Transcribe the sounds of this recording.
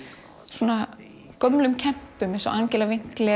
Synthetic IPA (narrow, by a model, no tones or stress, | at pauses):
suːna | kɔmlʏmcʰɛm̥pʏmɛ̃nsɔʔancɛlavɪŋ̥klɛ